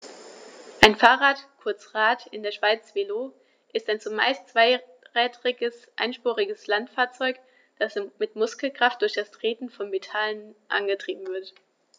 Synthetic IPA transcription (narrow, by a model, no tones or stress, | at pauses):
ʔaɪnfaːʁaːtkʰʊɐt͡sʁaːtɪndeːɐʃv̥aɪt͡sv̥eloː | ʔɪstaɪnt͡sʊma̰ɪst͡sv̥aɪ | ʁɛːdʁɪɡəsʔa̰ɪnʃpuːʁɪɡəslantfaːɐt͡sɔʏk | d̥asmɪtmʊskl̩kʁ̥aft̚d̥ʊɐçd̥astʁ̥eːtn̩fɔnmetʰalənʔa̰nɡətʁ̥iːb̚m̩vɪɐt